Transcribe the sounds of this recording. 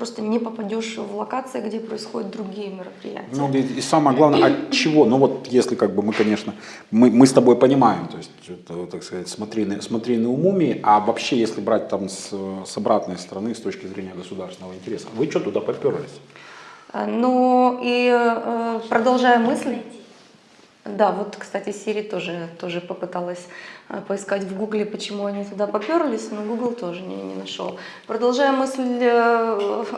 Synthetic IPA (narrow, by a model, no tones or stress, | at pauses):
pɾo̞st̪ənʲɪpəpɐdʲoʂvlˠɐkat̪sɨjɪɡdʲepɾəɪsxodʲɪt̪̚d̪ɾʊɡʲijəmʲɪɾəpɾʲɪ̰jæ̰tʲnɪueisaməjəɡlˠavnəjɛʔɐt͡ɕːɪvo̞nuvo̞t̪jesʲlʲɪkaɡ̚bɨmɨkɐnʲe̞ʂnə | mɨmɨst̪ɐbo̞jpənʲɪmajɪmt̪o̞ɪsʲt̪̚ʲt̪akskɐzatʲsmɐt̪ɾʲinəsmɐt̪ɾʲinəʊmumʲɪːʔɐvɐpɕːejesʲlʲɪbɾat̚ʲt̪amssɐbɾat̪nəjst̪əɾɐnɨst̪o̞t͡ɕkʲɪzɾʲenʲɪjəɡəsʊd̪aɾsʲvɪnəvəɪnʲtʲɪɾʲe̞səvɨt͡ɕot̪ʊd̪apɐpʲoɾəlʲɪsʲ | ənuiəpɾəd̪ɐlˠʐajʊmɨsʲlʲɪ | d̪avo̞t̪kst̪atʲɪsʲeɾʲɪjət̪o̞ʐɨt̪o̞ʐɨpəpɨt̪alˠəsʲpəɪskatʲvɡuɡlʲɪpət͡ɕɪmuɐnʲit̪ʊd̪apɐpʲoɾlʲɪsʲnoɡuɡlˠt̪o̞ʐɨnʲɪ̰nʲɪ̰nɐʂo̰lˠ | pɾəd̪ɐlˠʐajʊmɨsʲlʲ